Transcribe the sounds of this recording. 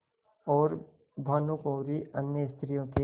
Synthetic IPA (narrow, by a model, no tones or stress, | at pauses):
ɔːɾ | d̪ʱaːnukõːɾiʔənjəst̪ʰɾijõke